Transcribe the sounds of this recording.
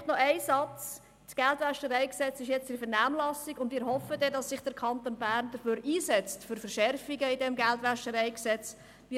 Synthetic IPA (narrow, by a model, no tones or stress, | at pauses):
tnɔʔɛɪsɑt͡s | sɡ̥ɛltʋæʃtəɾɛɪksɛt͡sɪʃjɛt͡sd̥ifəɾnæːmlɑsiɡʊndvmiːɾhɔfədɛdɑsːɪχd̥əɾkʰɑnt̪oːnbæːɾnd̥əføːɾʔiːsɛt͡stfʏɾfəɾʃɛrfiɡəidɛmɡɛltʋæʃtəɾɛɪksɛt͡s | mɪ